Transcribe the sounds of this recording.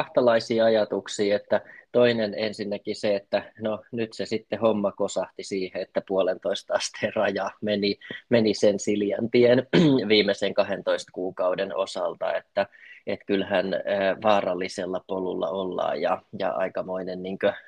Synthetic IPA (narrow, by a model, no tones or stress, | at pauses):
ɑht̪ɑlɑisiːɑjɑt̪uksiːet̪ːæt̪oinenḛnsinːækiseet̪ːænonyt̪sesit̪ːehomːɑkosɑht̪isiːheet̪ːæpuolent̪oist̪ɑst̪errɑjɑmenimenisensiljɑ̰nt̪ienʋiːmːˑeseŋkɑhent̪oist̪kuːkɑudeno̰sɑlt̪ɑ̰et̪ːæet̪kylhænːʋɑːrɑlːiselːɑpolṵlːɑ̰olːɑ̰ːjjɑ̰jɑ̰ɑ̰ikɑmoinenniːŋkø